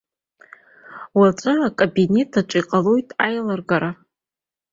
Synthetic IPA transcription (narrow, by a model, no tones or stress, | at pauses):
wat͡ʃʷʼaakʼobine̞tʰaʈ͡ʂʷʼiqʼalo̞jtʼajlarɡaɾa